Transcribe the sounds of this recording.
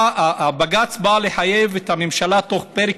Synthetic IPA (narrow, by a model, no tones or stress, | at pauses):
aabaɡat͡sbaleħaje̞vethamemʃalato̞χpeʁe